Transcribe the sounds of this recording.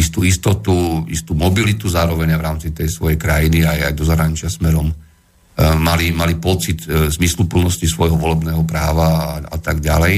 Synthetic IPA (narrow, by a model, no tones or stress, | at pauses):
ist̪uist̪ɔt̪uḭst̪uːmɔbilit̪uzaːɾɔʋɛɲajʋɾaːmt͡sit̪ɛjsʋɔjɛjkɾajiniaja̰jd̪ɔzaɦɾaɲit͡ʃɪasmɛɾɔm | malimalipɔt͡sit̪zmislupl̩nɔscisʋɔjɦɔʋɔlɛbnɛːɦɔpɾaːʋaa̰t̪aɡɟa̰lɛj